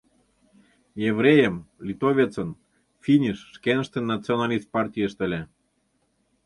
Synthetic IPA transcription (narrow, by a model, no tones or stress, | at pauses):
jevrʲejəmlʲit̪ovʲet͡sən | fʲinʲiʃːkenə̆ʃt̪enːɑt͡sionɑlʲist̪̚pɑrtʲijəʃt̪ə̆lʲe